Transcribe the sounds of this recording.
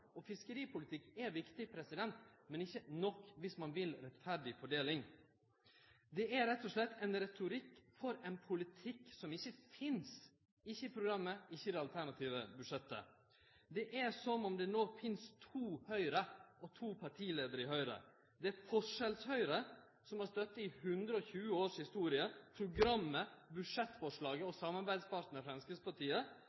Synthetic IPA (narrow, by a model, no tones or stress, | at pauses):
ɔfɪskəɾiːpʰʊlɪt̪ʰɪkːɛɾʋɪkt̪ɪpʰɾɛsɪd̪ɛnt̪mɛnɪçːənɔkːʋɪsmɑnʋɪlɾɛt̪fæɾɖɪfɔɖeːlɪŋ | d̪ɛʔæɾɛt̪ːɔʂɭɛt̪ːɛnɾɛt̪ʊɾɪkːfɔɾɛnpʰʊlɪt̪ʰɪkːsɔmɪçːəfɪns | ɪçːəɪpʰɾʊɡɾɑmːəɪçːəd̪ɛɑlt̪ʰæɳɑt̪ʰiːʋəbʉʂɛt̪ːə̰ | d̪ɛʔæsɔnɔmd̪ɛnoːfɪnst̪ʰuːhœʏɾəɔt̪ʰuːpʰɑʈʰiːleːd̪əɾəɪhœʏɾə̰ | d̪ɛæɾfɔʂɛlshœʏɾə | sɔmhɑɾst̪œt̪ːəɪhʉnd̪ɾəɔçʉːəoːʂhɪst̪uːɾɪəpʰɾʊɡɾɑmːəbʉʂɛt̪ːfɔʂɭɑːɡəɔsɑmːɑɾbæɪd̪spɑɾʈ̪t̪n̩əəfɾɛnskəspɑʈiːə